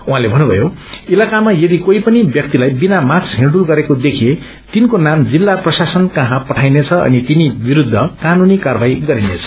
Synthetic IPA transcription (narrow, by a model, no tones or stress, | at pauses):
uɦãlebʱʌnːubʱʌ̰jo | ilakamajʌd̪ikoipʌnibjʌk̚t̪ilajbinamaksɦĩɖulɡʌɾekod̪ekʰe | t̪inkonamd͡zilːaprʌsasʌnkʌ̃ɦãpʌʈʰajnet͡sʰʌʌ̰nit̪inibiɾud̪ʱːʌkanunikarbʱajɡʌɾinet͡sʰʌ̥